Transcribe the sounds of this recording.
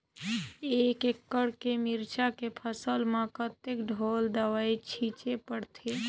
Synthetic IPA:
eːkekːəɽkemiɾt͡ʃakepʰəsəlmãkət̪ekɖʱoːld̪əʋait͡ʃʰit͡ʃepəɽt̪ʰe

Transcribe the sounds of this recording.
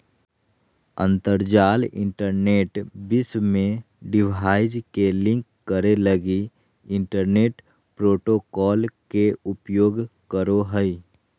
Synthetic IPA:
ə̃nt̪əɾd͡ʒaːlɪ̰̃ɳʈəɾneːʈbɪsmẽ | ɖɪbʱaːɪd͡ʒkelɪ̃ŋkːəɾeləɡi | ɪ̃ɳʈəɾneːʈ | pɾoːʈokɔːlkeʊpjoːɡkəɾoɦəi

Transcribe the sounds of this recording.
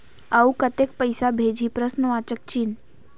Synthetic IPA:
əukət̪ek̚pəjsabʱed͡ʑʱiːpɾəsnəʋat͡ʃək̚t͡ɕin

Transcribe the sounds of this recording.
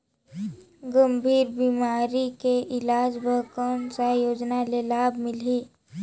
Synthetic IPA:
ɡəmbʱiːɾbiːmaːɾikeʔɪlaːd͡ʒbʱəkənsajoːd͡ʒnalelaːbmɪliː

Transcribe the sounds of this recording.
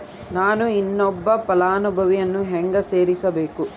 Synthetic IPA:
naːnuinːɔbːɐpɐlaːnubʱɐʋijɐnːuɦɛŋɡɐseːɾisɐbeːku

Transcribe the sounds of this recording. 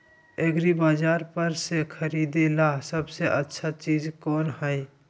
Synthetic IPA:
eɡɾibaːd͡ʒaːɾpəɾsekʰəɾiːd̪elasəbseʔətːʃʰat͡ʃiːzkɔːnhɛi

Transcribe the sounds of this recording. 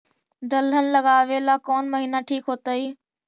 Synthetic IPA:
d̪ɐlənɪ̆lɐɡaːʋelaːkoːnməɦiːnaʈʰiːkɦoːt̪əiː

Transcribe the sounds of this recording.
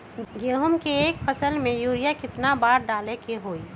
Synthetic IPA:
ɡeɦʊmkeeːkpʰəsəlmẽjuːɾijakɪt̪nabaːɾɖaːlekeɦoːi

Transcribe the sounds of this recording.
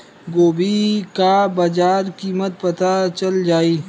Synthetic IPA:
ɡoːbikabaːd͡ʒaːɾkiːmət̪̚pɐt̪at͡ʃɐld͡ʒaːiː

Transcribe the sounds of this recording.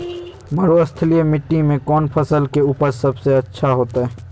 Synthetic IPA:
məɾoɐst̪ʰliemɪʈːimẽkɔːnpʰɐsəlkeuːpəɾsɐbseɐtːʃʰaɦoːt̪aɦɛː

